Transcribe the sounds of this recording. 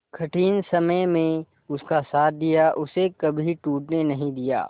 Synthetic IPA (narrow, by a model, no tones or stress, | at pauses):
kʰɐʈʰiːnsɐməjmẽ | ʊskasaːt̪̚ʰd̪ijaʔʊsekɐbʱiʈuːʈnenɐɦĩd̪ija̰ː